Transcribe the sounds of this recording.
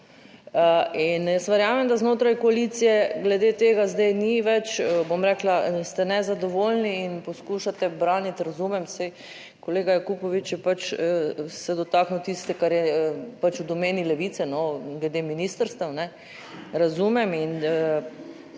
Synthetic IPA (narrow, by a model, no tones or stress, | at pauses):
əinjɛst̪ʋɛɾjaːmɛmd̪aznoːt̪ɾajkoalit̪sijɛɡlɛd̪eːt̪eːɡazd̪ajniʋɛt͡ʃəbomɾɛklast̪ɛnɛzad̪oʋoːlniːnpɔskuʃat̪ɛbɾaːnit̪ɾazuːmɛmsɛj | koleːɡajakupɔʋit͡ʃjɛpat͡ʃəsɛd̪ɔt̪aːknut̪ist̪ɛkaɾjɛpat͡ʃud̪ɔmeːnilɛʋiːt̪sɛnɔɡlɛd̪eminiːst̪əɾst̪ɛnɛ | ɾazumɛminə